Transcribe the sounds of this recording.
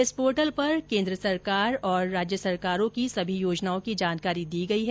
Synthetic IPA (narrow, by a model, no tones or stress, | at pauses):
ɪspoːɾʈəlpɐɾkẽːnd̪ɾəsɐɾkaːɾɔːɾːaːd͡ʒjəsɐɾkaːɾõkisɐbʱijoːd͡ʒnaːõkid͡ʒaːnkaːɾid̪iːɡɐiɦɛ